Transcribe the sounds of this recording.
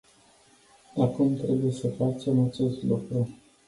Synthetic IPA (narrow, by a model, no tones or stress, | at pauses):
akumt̪ɾe̞buje̞səfat͡ʃemat͡ʃe̞st̪lṵkɾu